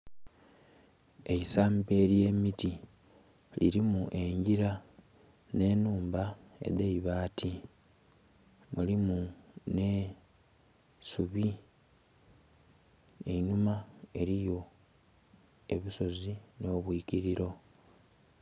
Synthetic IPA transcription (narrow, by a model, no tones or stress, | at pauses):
e̞isaːmbe̞ːɾje̞ːmiti | lḭɾimuʔe̞ɲɟiɾa | ne̞ːnuːmbae̞̰deiβaːtʰi | mulimune̞ | suβi | einumae̞ɾijo̞ | e̞βiso̞zino̞ːβwiːciɾiɾo̞